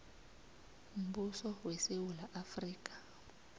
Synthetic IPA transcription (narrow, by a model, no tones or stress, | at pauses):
m̩ɓusɔwɛsewulaʔafriːk̬ʼḁ